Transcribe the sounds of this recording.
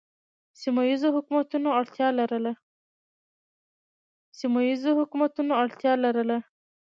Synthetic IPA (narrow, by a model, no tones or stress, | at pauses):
simajizoɦʊkmat̪unoaɽt̪jɑlaɾəla | simajizohʊkmat̪unoaɽt̪jɑlaɾəla